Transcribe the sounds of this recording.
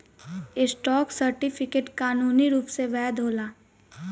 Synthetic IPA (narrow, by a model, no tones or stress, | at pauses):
ɪsʈɔːksɐɾʈɪpʰɪkeʈkaːnuːniɾuːpseʋɛːd̪ɦoːlaː